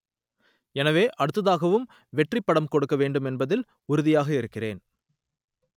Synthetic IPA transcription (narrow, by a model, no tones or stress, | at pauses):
ɛnɐʋeːʔɐɽɯt̪ːɐðaːɣɐʋɯm | ʋɛʈrɪpːɐɽɐmkɔɽɯkːɐʋeːɳɖɯmɛnbɐðɪl | ʊɾɯðɪjaːɣɐɪɾɯkːɪrḛːn